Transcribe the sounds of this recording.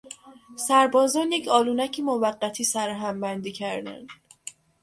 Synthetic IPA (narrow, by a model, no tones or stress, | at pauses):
sæɾbɒːzɒːnjecʰɒːluːnæcʰimovæɢːæt̪ʰiːsæɾɦæmbænd̪iːcʰæɾd̪æ̰nd̪